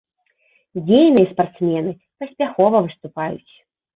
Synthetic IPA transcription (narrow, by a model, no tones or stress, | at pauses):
d͡zʲejnɨjɛspart̪smʲɛn̪ɨ | pɐsʲpʲaxɔvɐvɨst̪upajṵt͡sʲ